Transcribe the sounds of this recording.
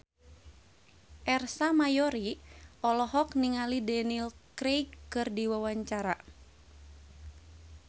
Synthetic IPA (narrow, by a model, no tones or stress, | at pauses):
ʔɛrsamajɔɾiʔɔlɔɦɔkniŋalidɛnilkɾekːɨrdiwawaɲt͡ʃaɾa